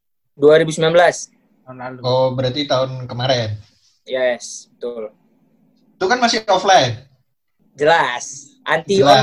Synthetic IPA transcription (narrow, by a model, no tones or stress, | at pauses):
duaɾibusəmbilanbəlas | kobəɾat̪it̪aʊnkəmaɾɛn | jɛsbət̪ʊl | t̪ukanmasɪɔflajt̪̚ | d͡ʒəlas | ʔant̪il